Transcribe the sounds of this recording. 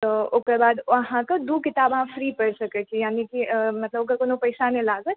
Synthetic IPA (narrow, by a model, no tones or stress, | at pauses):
t̪ɔoːkəɾbaːd̪ʋəɦãkəd̪ukɪt̪aːbɦãfʰɾipəɽsəkəijaːnikimɐt̪ləboːkəɾkoːnopəɪsanelaːɡət̪